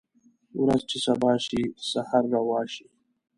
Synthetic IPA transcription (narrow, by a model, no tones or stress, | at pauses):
uɾazt͡ʃesabɑːʃisahaɾːawɑːʃi